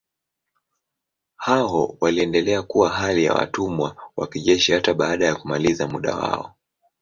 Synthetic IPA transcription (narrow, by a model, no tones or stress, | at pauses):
haɔwaliɛndɛlɛakuwaɦalija̰wa̰tumwawakiʄɛʃihataɓaːɗajakumalizamuɗa̰wa̰ɔ